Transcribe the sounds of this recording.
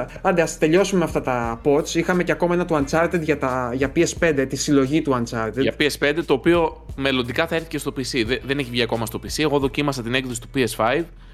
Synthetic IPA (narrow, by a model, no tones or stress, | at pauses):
ɐnd̪eɐst̪e̞ʎo̞sumeɐft̪ɐt̪ɐpo̞t͡sixɐme̞ceɐko̞mɐenɐt̪oɐnt͡sɐɾt̪e̞d̪ʝɐt̪ɐʝɐpiespe̞nd̪et̪isilo̞ʝit̪uɐnt͡sɐɾt̪edɐpiespe̞nd̪e̞t̪o̞ːpio̞me̞lo̞nd̪ikɐθɐe̞ɾθice̞st̪opisiððe̞neçivʝiɐko̞mɐst̪o̞pisie̞ɣo̞ðo̞cimɐsɐt̪inekðo̞si̥t̪upiesfɐjð